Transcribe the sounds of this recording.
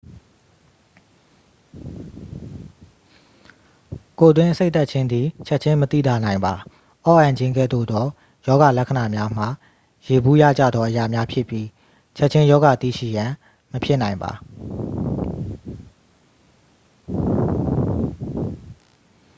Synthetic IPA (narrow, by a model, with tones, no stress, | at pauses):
ko˨t̪wɪ̃˦ʔəse˦t̪a˦ʔt͡ɕʰɪ̃˦nd̪ði˨t͡ɕʰɛ˦ʔt͡ɕʰɪ̃˦mət̪ḭ˦˨d̪a˨nã˨ɪ̃mba˨ | ʔɔ˦ʔã˨ɲd͡ʑɪ̃˦ŋɡɛ̰˦˨d̪o̰˦˨d̪ðɔ˦ | jɔ˦ɡa˨lɛ˦kʰə˨na˨mja˦m̥a̰˦˨ | je˨bu˦ja̰˦˨d͡ʑä̰˦˨d̪ðɔ˦ʔəja˨mja˦pʰjɪ˦pji˦ | t͡ɕʰɛ˦ʔ̚t͡ɕʰɪ̃˦jɔ˦ɡa˨t̪ḭ˦˨ʃḭ˦˨jã˨ | məpʰjɪ˦nã˨ɪ̃mba̰˨